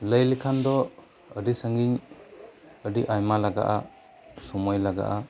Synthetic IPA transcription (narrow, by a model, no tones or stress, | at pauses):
ləjlikʰand̪ɔ | ədisaŋɡiɲ | ədiʔajmalaɡa̰ʔa | sɔmɔjlaɡa̰ʔa